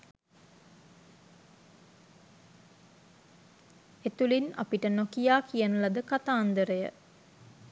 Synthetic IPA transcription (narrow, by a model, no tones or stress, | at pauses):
et̪ulina̰piʈənokijaːkijənəlad̪əkat̪aːnd̪əɾəjə̰